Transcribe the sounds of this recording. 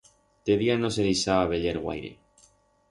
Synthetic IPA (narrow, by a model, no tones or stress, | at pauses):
t̪eðianoselisaβaβeʎeɾɣwa̰jɾḛ